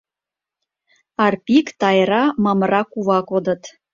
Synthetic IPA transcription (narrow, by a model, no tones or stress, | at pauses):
ɑrpʲikt̪ɑjɾɑmɑmərɑkuβɑkod̪ə̆t̪